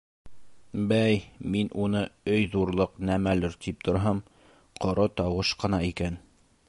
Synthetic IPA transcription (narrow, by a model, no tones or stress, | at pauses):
bæjminʔunɤɵjðuɾlˠɤqnæmælɘɾt̪ip̚t̪ʰŏɾɦɤm | qŏɾɤt̪ɑwɤʃqɤ̆nɑikæn